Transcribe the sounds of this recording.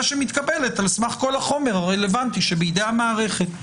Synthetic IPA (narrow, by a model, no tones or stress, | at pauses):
ʃemit̪kabe̞letalsmaχko̞laχo̞me̞ʁaʁelevant̪iʃebeid̪ejhamaːʁe̞χet̪